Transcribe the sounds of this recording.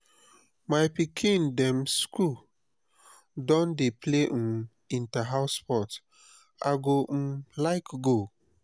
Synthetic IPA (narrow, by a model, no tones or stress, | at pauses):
maɪpikʰĩndɛ̃msku | dɔ̃ndepʰlem̩ | ĩntaɦaʊspɔt | aɡom̩laɪkɡo